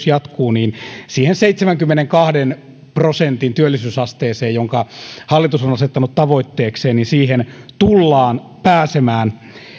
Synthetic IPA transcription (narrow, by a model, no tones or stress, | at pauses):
sjɑt̪kuːniːnsiːhenseit̪semæŋkymːeneŋkɑhden | prosent̪int̪yølːisyːsɑst̪eːseːjjoŋkɑhɑlːit̪usonɑset̪ːɑnut̪t̪ɑʋoit̪ːeːkseːnninsiːhent̪ulːɑːnpæːsemæːn